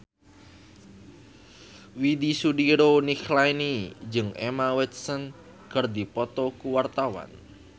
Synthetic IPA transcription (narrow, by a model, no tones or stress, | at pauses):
widisudiɾoniklajnid͡ʒɨŋʔɛ̰mawɛt̪̚sən | kərd̪ipɔt̪ɔkuwart̪awa̰n